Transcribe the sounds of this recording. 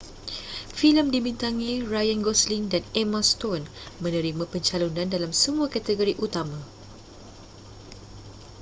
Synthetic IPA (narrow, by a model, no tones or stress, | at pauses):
filəmdibint̪aŋĩrajanɡɔslindanɛmãst̪onmə̃nə̃ɾimãpəɲt͡ʃalunãndalamsəmũakat̪əɡoɾiʔut̪amã